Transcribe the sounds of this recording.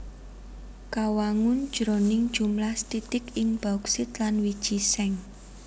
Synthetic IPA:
kawaŋʊnd̥ʒ̥ɾonɪŋd̥ʒ̥umlahst̪it̪ɪkɪŋb̥aksɪt̪lanwid̥ʒ̥isɛŋ

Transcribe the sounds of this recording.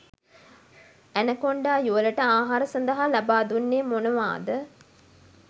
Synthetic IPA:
ænəkoɳɖaːjuʋələʈəaːɦaɾəsɐnd̪əɦalabaːd̪unːeːmonəʋa̰ːd̪ə

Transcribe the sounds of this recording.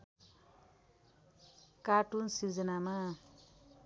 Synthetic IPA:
kaʈunsid͡zʌnama

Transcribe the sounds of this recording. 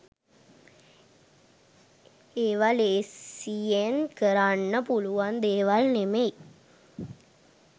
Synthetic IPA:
eːʋaleːienkəɾanːəpuluʋand̪eːʋalnemej

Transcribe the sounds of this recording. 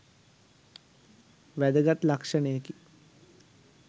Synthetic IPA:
ʋæd̪əɡat̪lakʂənəjəki

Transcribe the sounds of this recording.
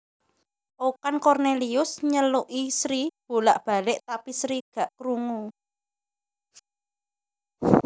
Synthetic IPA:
ʔokankɔrneliʊsɲəluʔisɾib̥o̤laʔb̥a̤lɪʔt̪apisɾiɡ̥a̤ʔkɾuŋu

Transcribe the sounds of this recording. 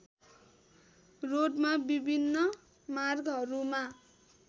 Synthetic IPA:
roɖmabibʱinːʌ | marɡɦʌɾuma

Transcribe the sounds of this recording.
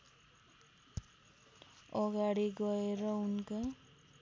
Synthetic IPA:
ʌɡaɽiɡʌeɾʌunka

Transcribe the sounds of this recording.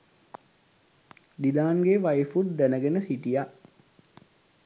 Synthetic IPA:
d̪ilaːnɡeʋajfut̪̚d̪ænəɡenəsiʈija

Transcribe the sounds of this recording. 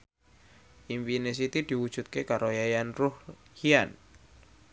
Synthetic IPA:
ʔimpines̬it̪id̪̥i̤wud̥ʒ̥ṳt̪̚kekaɾojajanruhhian

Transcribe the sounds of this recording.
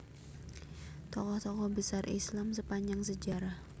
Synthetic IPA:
t̪ɔkɔht̪ɔkɔhbəsarʔḭslamsəpaɲd͡ʒaŋsəd͡ʒaɾah

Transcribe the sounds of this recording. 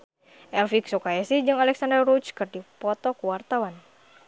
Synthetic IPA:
ʔɛlfiksukaasid͡ʒɨŋalɛksandərrut͡ʃkɨrdipɔt̪ɔkuwart̪awan

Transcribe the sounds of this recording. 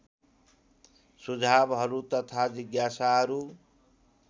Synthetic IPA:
sud͡zʱabɦʌɾut̪ʌt̪ʰad͡ziɡjasaɦʌɾu

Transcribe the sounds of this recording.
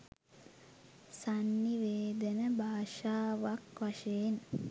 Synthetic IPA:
sanːiʋeːd̪ənəbʱaːʃaːʋakʋaʃeːn

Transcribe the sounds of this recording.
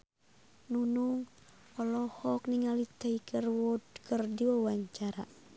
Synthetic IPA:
nunuŋ | ɔlɔhɔk̚niŋalit̪aikərwɔdkərdiwawaɲt͡ʃaɾa̰

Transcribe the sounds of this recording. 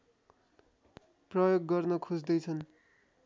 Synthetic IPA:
prʌjoɡːʌrnʌkʰud͡zd̪ʌjt͡sʰʌn

